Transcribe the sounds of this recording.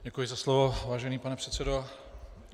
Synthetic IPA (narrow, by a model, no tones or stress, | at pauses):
ɟɛkujɪzaslovovaːʒɛniːpanɛpr̥ɛt̪t͡sɛdo